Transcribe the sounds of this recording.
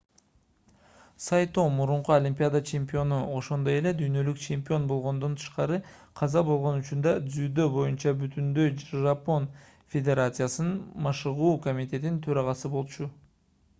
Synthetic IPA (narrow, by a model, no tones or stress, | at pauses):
sɑjt̪omuɾuɴquolʲimʲpʲijad̪at͡ʃʰe̞mʲpʲio̞nuʔo̞ʃo̞nd̪o̞je̞le̞d̪yjnø̞lykt͡ʃʰe̞mʲpʲio̞nbo̞lˠʁo̞nd̪o̞nt̪ʰɯ̥ʃqɑɾɯqʰɑzɑbo̞lˠʁo̞nyt͡ʃynd̪ɑd̪zyd̪øbo̞junt͡ʃɑbyt̪ynd̪øjʒapo̞n | fʲe̞d̪ʲe̞ɾat̪sɨjasɯnnmɑʃɯʁuːko̞mʲit̪ʲe̞t̪int̪ʰøɾɑʁɑsɯbo̞lˠt͡ʃu